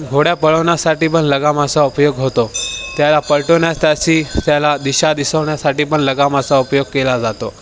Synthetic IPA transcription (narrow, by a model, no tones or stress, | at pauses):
ɡʱoɽjapəɭəʋɳjasaʈiːpəɳləɡamasaupjoɡɦot̪ot̪jalapəɾʈoɳjast̪jaɕiːt̪jalad̪iɕad̪isəʋɳjasaʈiːpəɳləɡamasaupjoɡ̚kelad͡zat̪o